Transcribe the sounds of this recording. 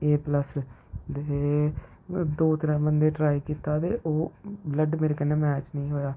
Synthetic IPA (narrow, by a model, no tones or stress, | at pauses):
eːpləs | d̪eː | d̪oːt̪əɾãːbənd̪eːʈɾaːiːkiːt̪aːt̪eːʔoːbləɖmeːɾeːkəneːmɛːt͡ʃnəĩːɦoːjaː